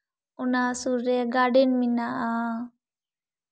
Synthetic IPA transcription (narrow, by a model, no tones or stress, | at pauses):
ɔnasuɾɾɛɡaɖɛnminaʔa